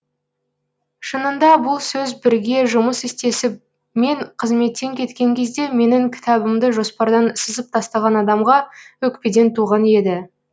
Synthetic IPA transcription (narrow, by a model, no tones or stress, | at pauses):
ʃənənd̪ɑbʊlˠsɵzbɪɾɡʲe̞ʒʊməsɪst̪e̞sɪp̚ | me̞ŋqʰəzme̞t̪ːe̞ŋkʲʰe̞t̪kʲe̞ŋkʲʰe̞zd̪e̞me̞nɪŋkʲʰɪ̥t̪ɑbɪmd̪əʒo̞spɑɾd̪ɑnsəzəp̚t̪ʰɑst̪ɑʁɑnɑd̪ɑmʁɑwɵkped̪e̞nt̪ʰuʁɑnje̞d̪ɪ